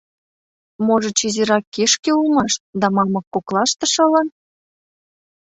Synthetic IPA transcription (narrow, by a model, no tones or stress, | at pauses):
moʒə̆t͡ɕiziɾɑkːeʃkeulmɑʃt̪̚d̪ɑmɑmɤ̆kːoklɑʃt̪ə̆ʃɤ̆lɤ̆n